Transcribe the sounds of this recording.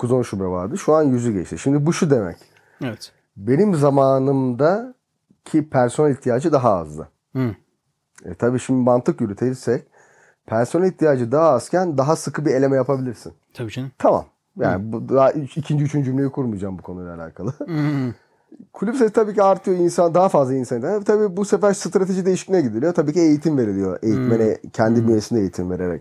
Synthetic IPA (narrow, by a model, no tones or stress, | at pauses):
kʰuzanʃubɛva̰ɾd̪ɯʃuanjyzyɟɛ̰t͡ʃt̪ʰiʃimd̪ibuʃud̪emɛ̰c | ɛɛ | be̞nimzamaːnɯmd̪a | cʰipʰæɾso̞nalʲiçt̪ʰijaːd͡ʒɯd̪aɦaa̰zlˠɯ̰ | ɛ̰t̪ʰabiːʃimd̪imant̪ʰɯkjyɾyt̪ʰelisɛc̚ | pʰæɾso̞nalʲiçt̪ʰijaːd͡ʒɯd̪aɦaaz̥cʰænd̪aɦasɯkʰɯbie̞lʲe̞mɛjapabilʲiɾsḭnʰ | t̪ʰama̰m | ja̰ːnibud̪aicʰind͡ʒiyt͡ʃʰynd͡ʒymlʲe̞jikʰuɾmujd͡ʒaːmbukʰo̞nujlʲˠalʲa̰ːkʰalˠɯ | kʰulʲypsest̪ʰabiːciaɾt̪ʰɯjo̞insand̪aɦafazlˠainsanit̪ʰanavɛt̪ʰabiːbusefæɾsɯt̪ɾat̪ʰeʒid̪e̞jiʃi̥cinɛɟid̪ilʲijo̞t̪ʰabiːciejit̪ʰimve̞ɾilʲijo̞̰ʔe̞jit̪menɛcʰɛnd̪imyjesind̪ɛejit̪ʰimve̞ɾe̞ɾɛ̰c̚